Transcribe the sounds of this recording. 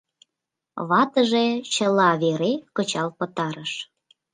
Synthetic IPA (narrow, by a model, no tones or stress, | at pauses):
βɑt̪əʒet͡ɕəlɑβeɾekət͡ɕɑlpə̆t̪ɑɾəʃ